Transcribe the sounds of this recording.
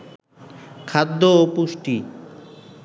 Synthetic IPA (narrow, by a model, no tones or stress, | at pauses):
kʰad̪ːoːpuʃʈi